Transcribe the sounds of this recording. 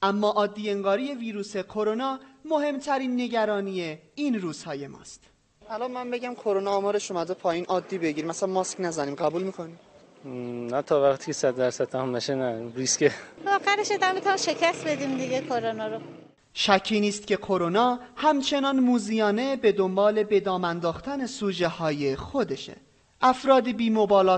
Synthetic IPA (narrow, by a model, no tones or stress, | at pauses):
ʔæmːɒːʔɒːd̪ːiːe̞ŋɡɒːɾiːje̞viːɾuːse̞kʰo̞ɾo̞nɒːmo̞he̞mt̪ʰæɾiːnːe̞ɟæɾɒːnije̞inruːz̥hɒːje̞mɒ̰ːst̪ | ælɒmænbe̞ɟæmkʰoɾonɒːmɒːɾeʃomæd̪opʰɒːjiːnʔɒːd̪ːiːbe̞ɟiːɾimæsælænmɒsknæzæniːmɡæbuːlmiːkʰoniːm | næt̪ʰɒːvæχt̪ʰi̥cʰesæd̪d̪æɾsæd̪̚t̪ʰæmumbæʃenæɾiskevɒːxæɾeʃed̪æmit̪ʰunimʃecʰæst̪̚bed̪imd̪iɡekʰoɾonɒɾo | ʃæcʰːiːniːst̪cʲʰe̞kʰoɾonɒːhæmt͡ʃʰe̞nɒnmuːzijɒːne̞be̞d̪o̞mbɒːle̞be̞d̪ɒːmænd̪ɒːxt̪æne̞suːd͡ʒe̞hɒːje̞xod̪e̞ʃḛ | ʔæfɾɒːd̪ibiːmo̞bɒːlɒː